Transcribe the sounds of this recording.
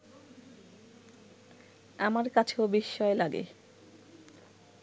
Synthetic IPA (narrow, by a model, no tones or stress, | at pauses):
amaɾkat͡ɕʰeobiʃːɔelaɡḛ